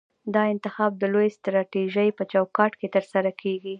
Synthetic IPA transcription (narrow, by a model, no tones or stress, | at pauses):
d̪ɑɪnt̪ɪxɑb̚d̪əlojst̪ɾɑʈiʒəjpət͡ʃawkɑʈket̪əɾsaɾakʰeɡi